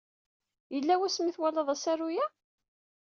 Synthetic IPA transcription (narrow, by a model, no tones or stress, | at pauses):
jəlːæwæsmiθwælɑðˤæsærujæ